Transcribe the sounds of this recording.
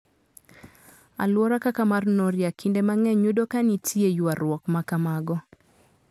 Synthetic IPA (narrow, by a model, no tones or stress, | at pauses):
a̰lwɔɾakakamarnoɾjakʰindemaŋɛɲudokanitiejuaɾwɔkmakamaɡɔ